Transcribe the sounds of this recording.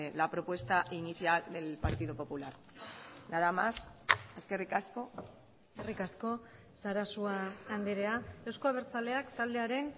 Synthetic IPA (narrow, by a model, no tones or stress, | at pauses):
lapɾo̞pwe̞st̪aʔiniθjald̪e̞lpaɾt̪iðopo̞pulaɾ | naðamase̞ske̞rikasko̞ | eske̞rikasko̞ | saɾasuaːnd̪iɾe̞aewsko̞aβ̞e̞ɾt͡sale̞akt̪ald̪e̞aɾe̞n